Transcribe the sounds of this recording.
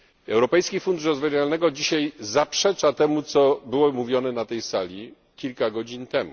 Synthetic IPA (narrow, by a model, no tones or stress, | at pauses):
ɛwɾɔpɛjskʲifund̪uʂɾɔzvavalnɛɡɔd͡ʑiɕajzapʂɛt͡ʂat̪ɛmut̪sɔbɘwɔmuvʲjɔnɛnat̪ɛjsalʲi | kʲilkaɡɔd͡ʑint̪ɛmṵ